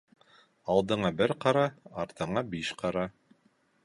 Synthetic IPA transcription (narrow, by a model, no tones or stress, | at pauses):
ɑlˠd̪ɤ̆ɴɑbɘɾqɑɾɑɑɾt̪ɤ̆ɴɑbiʃqɑɾɑ